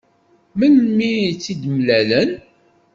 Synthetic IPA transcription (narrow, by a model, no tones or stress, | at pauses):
məlmiit͡sːid̪mlælən